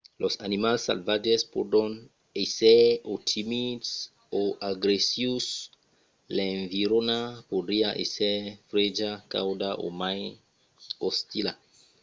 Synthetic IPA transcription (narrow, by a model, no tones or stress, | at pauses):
lʔosanimalsa̰lvad͡ʒespodon | eseotʰimids | oʔaɡɾesius | leɱviɾonapodiaʔesefɾed͡ʒaka̰wdaʔo̰maj | ost̪ila